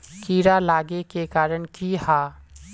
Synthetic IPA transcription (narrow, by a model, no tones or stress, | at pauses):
kiːɾalaːɡekekaːɾəɳkihaː